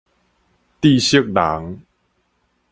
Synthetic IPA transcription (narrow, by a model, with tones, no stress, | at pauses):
t̪i˥˧˨ɕi˥ək̚da̰ː˩˦ŋ